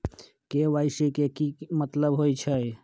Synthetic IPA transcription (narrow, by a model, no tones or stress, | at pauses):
keʋaɪsikekimət̪ləbɦojt͡ʃʰəj